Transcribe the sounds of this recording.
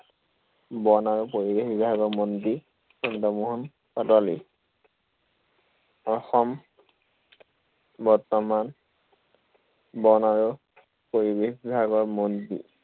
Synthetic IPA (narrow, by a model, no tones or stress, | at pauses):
bɔnaɹupoɹibexbibʱaɡɔɹmondi | sɔndɔmuɦun | kɔtɔlḭ | ɔxɔm | bɔɹt̪ɔman | bɔnaɹu | poɹibexbibʱaɡɔɹmondḭ